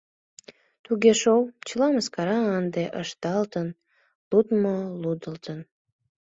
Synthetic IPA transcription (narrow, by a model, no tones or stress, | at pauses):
t̪uɣeʃowt͡ɕəlɑməskɑɾɑːnd̪eʔəʃt̪ɑlt̪ən | lut̪molud̪əlt̪ən